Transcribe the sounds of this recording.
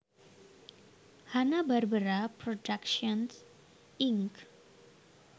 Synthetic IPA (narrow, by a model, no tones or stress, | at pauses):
hanabəɾbəɾapɾoɖakʃəns | iŋk